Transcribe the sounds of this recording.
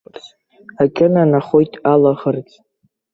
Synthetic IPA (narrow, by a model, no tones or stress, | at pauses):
akʲʼɪnanaχojtʼalaʁərt͡sʼ